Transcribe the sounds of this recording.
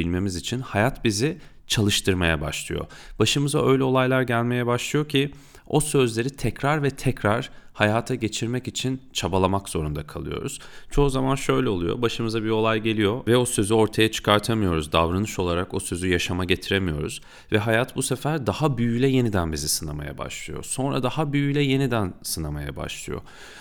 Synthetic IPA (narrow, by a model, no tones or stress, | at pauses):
ilʲme̞mizit͡ʃʰinhajat̪bizi | t͡ʃʰalˠɯʃt̪ʰɯɾmaja̰ba̰ʃlˠɯ̰jo̞̰ | baʃɯmɯza̰ʔø̞jlʲɛo̞lˠajlˠaɾɟælʲme̞jɛbaʃlˠɯjo̞cʰi | o̞sø̞zlʲe̞ɾit̪ʰɛcɾaɾvɛt̪ʰɛcɾaɾ̥hajaːt̪ʰaɟe̞t͡ʃʰiɾmɛcit͡ʃʰint͡ʃʰabalˠamakz̥o̞ɾund̪akʰalˠɯ̰jo̞̰ɾṵz̥t͡ʃʰo̞uzamanʃø̞jlʲɛo̞lˠujo̰baʃɯmɯzabio̞lˠajɟe̞lʲijo̞vɛo̞sø̞zyo̞ɾt̪ʰajat͡ʃʰɯ̥kʰaɾt̪ʰamɯjo̞ɾuzd̪avɾanɯʃo̞lˠaɾako̞sø̞zyjaʃamaɟe̞t̪ʰiɾemijo̞ɾṵz̥ | vɛɦajat̪busefæɾd̪ahabyjyjlʲɛje̞nid̪ænbizisɯna̰ma̰ja̰ba̰ʃlˠɯ̰jo̰so̞nɾa̰d̪ahabyjyjlʲɛje̞nid̪ænsɯnama̰ja̰ba̰ʃlˠɯ̰jo̰